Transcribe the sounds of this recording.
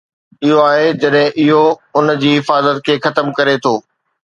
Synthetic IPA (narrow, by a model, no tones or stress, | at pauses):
ɪɦoaːɦed͡ʑɐɗɦɪ̃ʔɪɦoʊnd͡ʑiːɦɪfaːzət̪̚kʰeːxɐt̪əmkɐɾet̪ʰoː